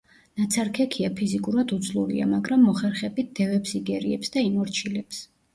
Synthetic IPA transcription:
nat̪sʰaɾkʰɛkʰiapʰizikʼuɾad̪ud̪zlˠuɾḭa̰maɡɾamːɔχɛɾχɛbit̪̚d̪̥ɛvɛpsiɡɛɾiɛpsd̪aimɔɾt͡ʃʰilɛps

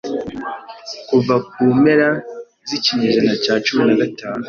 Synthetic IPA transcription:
kuvak̚uːme̞ɾa | ziciɲeʒanacaːt͡ʃuminaɡataːnu

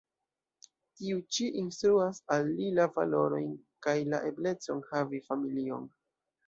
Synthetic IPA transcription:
tiut͡ʃiʔinstɾuasalːilava̰lo̞ɾo̞̰jnkajlaʔe̞ble̞t͡so̞nhavifamilio̞̰n

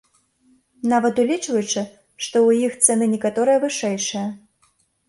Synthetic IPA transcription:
navɐt̪ulʲit͡ʂvɐjut͡ʂɨ | ʂt̪ɔwjixt̪sɛnɨnʲɛkat̪ɔɾɨjɐvɨʂɛjʂɐjɐ

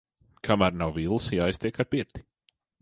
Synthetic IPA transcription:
kʰamaɾnawvilˠsjaajst̪ʲiɛkaɾpiɾt̪i̥

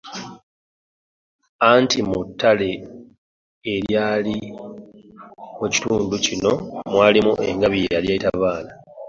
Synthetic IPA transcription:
antʰimutːale̞ | eɾjaːli | muci̥tuːnducino̞mwaːlimuʔe̞̰ŋɡaβijejaljaitaβaːla

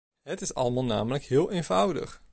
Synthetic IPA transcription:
ɦətɪsɑ̰ləmaːlˠna̰ːmələkɦɪːlˠʔejnvʌwdə̰χ

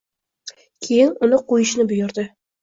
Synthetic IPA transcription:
kʲʰejɪnʊnɪqʰojɪʃnɪbʊjʊɾd̪ɪ

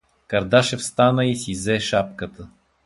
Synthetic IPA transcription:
kɐɾd̪aʃɛfst̪anəisizɛʃap̚kət̪ə

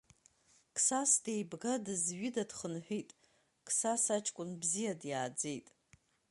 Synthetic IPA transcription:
kʰʼsasdejbɡadɨzɥidadχənħᶣitʼ | kʰʼsasat͡ʃʼkʷʼʊnbzijadjaːd͡zejtʼ

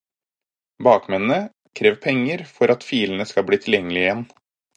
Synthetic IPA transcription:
bɑːkmɛnə | kʰɾeːʋpʰɛŋːəɾfɔɾʔɑt̪fiːln̩əskɑlbɽiːt̪ʰɪljɛŋːəlɪəɪjɛn

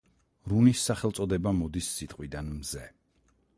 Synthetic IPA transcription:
ɾunisːaχɛlˠt̪sʼɔd̪ɛbamɔd̪isːit̪ʼqʼwid̪anmzɛ

